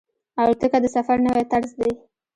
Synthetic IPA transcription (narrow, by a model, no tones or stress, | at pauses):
awt̪əkad̪əsafaɾnəwat̪aɾzd̪aj